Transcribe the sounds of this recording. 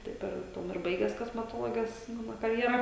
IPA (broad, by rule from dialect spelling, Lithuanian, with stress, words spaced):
ˈtɐɪp ɪr ˈtuɔm ɪr ˈbɐɪɡʲɛs koːsʲmʲɛˈtoːlˠoːɡʲɛs ˈmɑːnoː kɐrʲjɛˈrɐ